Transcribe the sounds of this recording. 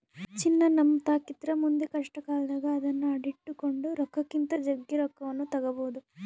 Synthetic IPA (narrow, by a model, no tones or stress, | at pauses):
t͡ʃinːɐnɐmːɐt̪aːkit̪ɾɐmund̪ekɐʂʈɐkaːɭɐd̪aːɡɐːd̪ɐnːuɐɽiʈːukoɳɖuɾɐkːɐkːint̪ɐd͡ʒɐɡːiɾɐkːɐʋɐnːut̪ɐɡɐboːd̪u